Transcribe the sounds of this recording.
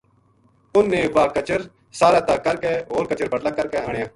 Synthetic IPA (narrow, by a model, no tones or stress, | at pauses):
ʊnːẽːʋaːkət͡ʃəɾ | saːɾaːt̪aːkəɾkɛːɦoːɾkət͡ʃəɾbəɽlaːkəɾkɛːɦaːɳjãː